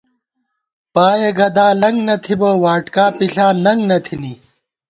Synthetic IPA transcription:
paːjeɡɐd̪aːlɐŋɡnɐt̪ʰibɐwaːʈkaːpiɬaːnɐŋɡnɐt̪ʰini

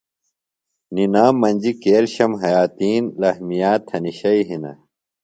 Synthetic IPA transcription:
ninaːmːɐnʲd͡ʑikeːlɕɐmɦɐjaːt̪iːnlɐhmijaːt̪ʰːɐniɕɐiɦinɐ̰

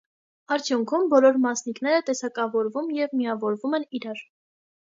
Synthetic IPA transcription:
ɑɾt͡sʰjuŋkʰumbɔlɔɾmɑsnikn̪ɛɾət̪ɛsɑkɑvɔɾvumjɛvmiɑvɔɾvumɛniɾɑɾ

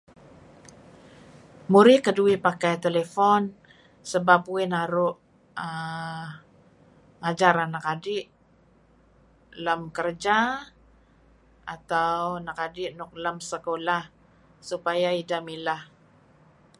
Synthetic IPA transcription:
muɾikəduipakajt̪elefɔn | səbapuinaɾʊʔ | ə | ŋad͡ʒaɾanakadɪʔ | ləmkərd͡ʒa | at̪awnakadɪʔnʊk̚ləmsəkolah | supajaidamilah

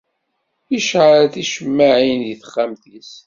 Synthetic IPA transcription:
iʃʕaɾθiʃəmːaʕinjiθə̥χːamθis

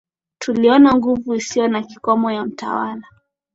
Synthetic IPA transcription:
tuliɔnaŋɡuvuisijɔnakikɔmɔjam̩ta̰wala

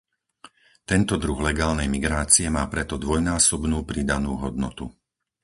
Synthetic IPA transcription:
t̪ɛnt̪ɔd̪ɾuɣlɛɡaːlnɛjmiɡɾaːt͡siɛmaːpɾɛt̪ɔd̪ʋɔjnaːsɔbnuːpɾid̪anuːɦɔd̪̚nɔt̪u

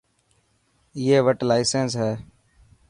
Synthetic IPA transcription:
ɪeːʋəʈlaːɪsensɦɛː

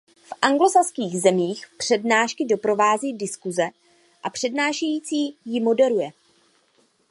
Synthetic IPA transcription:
fʔaŋɡlo̞saskiːɣzɛmiːxpr̝̥ɛdnaːʃkɪdo̞pɾo̞vaːziːdɪskuzɛ | ʔapr̝̥ɛdnaːʃɛjiːt͡siːjɪmo̞dɛɾujɛ

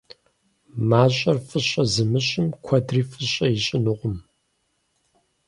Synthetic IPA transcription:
maːɕʼɐrfɨɕʼɐzɨmɨɕʼɪmkʷʰɐdriːfɨɕʼɐjɪɕʼɪnɨʁʷʊm

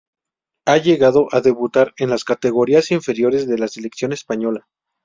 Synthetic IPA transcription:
aʝe̞ɣaðo̞ʔaðe̞βut̪aɾe̞nlaskat̪e̞ɣo̞ɾiasiɱfe̞ɾjo̞ɾe̞zðe̞lase̞leksjo̞ne̞spaɲo̞la

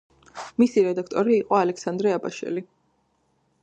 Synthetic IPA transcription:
misiɾɛd̪ak̚ʰt̪ʼɔɾiːqʼɔalɛksand̪ɾɛabaʃɛ̰li

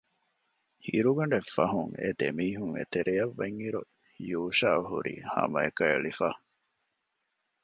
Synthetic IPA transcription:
hiɾuɡɐɳɖefɐɦuŋḛd̪emiːɦuŋḛt̪eɾʔejɐʋːeŋhiɾu | juːʃaːɦṵɾḭːhɐ̰mɐekɐeɭifaː

